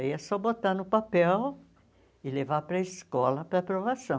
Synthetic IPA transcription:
iɐsɔbot̪anʊpapɛw | ɪlevapɾɐɪskɔlɐpɾɐpɾovasɐ̃w̃

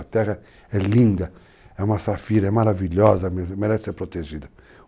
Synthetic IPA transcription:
at̪ɛʁɐ | ɛlĩnd̪ɐ | ɛũmɐsafiɾɐɛmaɾaviʎɔzɐmemeɾɛsɪ̥seɾpɾot̪eʒid̪ɐ

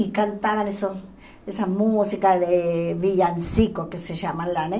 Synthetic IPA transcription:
ikant̪aβaneso | esamusikaðeβijansikokeseʃamalane

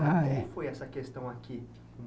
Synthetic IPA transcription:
aɛfojɛsɐkest̪ɐ̃w̃aki | kõm

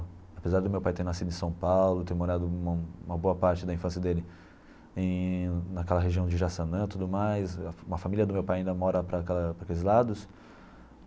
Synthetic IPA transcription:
apezaɾd̪ɪʊmewpajt̪ẽj̃nasid̪ʊɪ̃sɐ̃w̃pawlʊt̪ẽj̃moɾad̪ʊũmũmɐboɐpaɾt͡ʃɪd̪ɐĩfɐ̃sijɐd̪elɪ | ẽnakɛlɐɦeʒiɐ̃w̃d͡ʒɪʒasɐnɐ̃t̪ud̪ʊmajsɐũmɐfamilʲiɐd̪ʊmewpajɐĩnd̪ɐmɔɾɐpɾɐkɛlɐpɾakelɪzlad̪ʊs

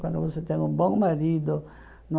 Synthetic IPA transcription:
kwãnd̪ʊvoset̪ɛ̃ŋũbõŋmaɾid̪ʊ | nɔ

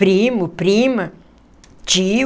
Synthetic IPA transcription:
ɾiːmupɾiːma | t͡ʃi

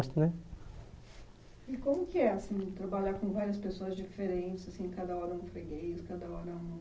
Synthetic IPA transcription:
st̪ʊnɛ | ɪkõmʊkɪɛasĩt̪ɾabaʎakõvaɾiɐspesoɐzd͡ʒifeɾẽnt͡ʃɪzasĩkad̪ɐɔɾɐũfɾeɡejʊskad̪ɐɔɾɐũm

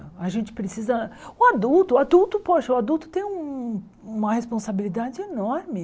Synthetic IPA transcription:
aʒẽnt͡ʃɪ̥pɾesizɐʊad̪uwt̪ʊad̪uwt̪ʊpoʃɐʊad̪uwt̪ʊ̥t̪ẽj̃ũ | ũmɐhespõsabilid̪ad͡ʒɪenɔɾmɪ

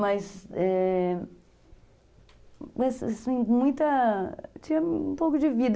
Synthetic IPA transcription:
mɐsɛ | ɛssĩj̃mũj̃t̪ɐt͡ʃĩɐũpowkʊd͡ʒɪvid̪

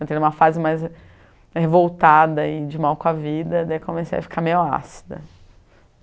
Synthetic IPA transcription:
ẽt̪ejnũmɐfazɪmajz | hevowt̪ad̪ɐɪd͡ʒɪmawkõɐvid̪ɐd̪ɛkõmesḛjɐfi̥kʰamejʊa̰si̥d̪ɐ̰

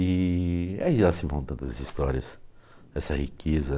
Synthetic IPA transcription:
ɪ | a̰iʒasɪvɐ̃w̃t̪ɐ̃nt̪ɐzist̪ɔɾiɐs | ɛsɐhikʰezɐ

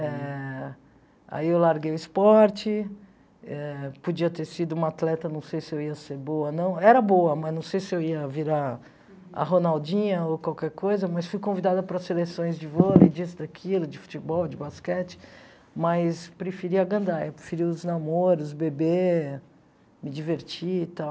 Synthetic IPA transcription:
ɛ | a̰iewlaɾɡejʊɪspɔɾt͡ʃɪ | ɛpod͡ʒiɐt̪eɾsid̪ʊũat̪lɛt̪ɐnɐ̃w̃sejsɪewiɐseɾboɐnɐ̃w̃ɛɾɐbowɐmɐznɐ̃w̃sejsɪewiɐviɾa | ɐ̰ɦonawd͡ʒĩɲɐokwawkɛɾkojzɐmɐsfujkõvid̪ad̪ɐpɾɐsselesõj̃zd͡ʒɪvolid͡ʒisɪd̪akʰilʊd͡ʒɪfu̥t͡ʃɪbɔwd͡ʒɪbaskɛt͡ʃɪ̥ | mɐjspɾefiɾiɐɡɐ̃nd̪aɛ̰pɾefiɾiʊznamoɾʊzbebe | mɪd͡ʒiveɾt͡ʃit̪aw

